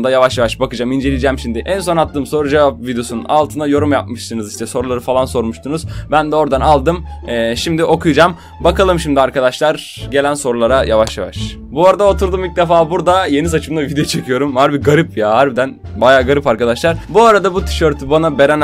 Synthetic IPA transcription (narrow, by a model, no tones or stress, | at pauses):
d̪ajavaʃjavaʃbakɯd͡ʒamind͡ʒe̞lʲid͡ʒɛmʃimd̪ɪʔænso̞nat̪ːɯːmso̞ɾud͡ʒevap̚vid̪ejo̞suna̰lˠt̪ʰɯnajo̞ɾumjap̚mɯʃsɯnɯziʃt̪ʰɛso̞ɾulˠaɾɯfalˠanso̞ɾmuʃt̪ʰunuzbænd̪ɛo̞ɾd̪analˠd̪ɯmɛʃimd̪iʔo̞kʰujɯd͡ʒam | bakalˠɯmʃimd̪iaɾkad̪aʃlˠaɾ | ɟe̞lʲænso̞ɾulˠaɾajavaʃja̰va̰ʃ | buaɾad̪aot̪ʰuɾd̪umilʲc̚d̪efaːbuɾd̪aje̞nisat͡ʃʰɯmd̪avid̪ejot͡ʃʰe̞kʰɯjo̞ɾumhaɾbiɡaɾɯpjaɦaɾbid̪æn | bajaːɡaɾɯpaɾkad̪aʃlˠaɾbuaɾad̪abut̪ʰi̥ʃøɾt̪ʰybanabe̞ɾɛn